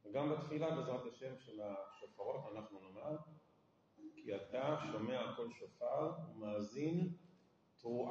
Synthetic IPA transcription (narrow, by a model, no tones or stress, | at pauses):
veɡambet̪χilabezʁat̪aʃe̞mʃe̞laʃofaʁo̞tanaχnunomaʁ | kʰiat̪aʃome̞ako̞lʃofaʁmaːzin | t̪uʔ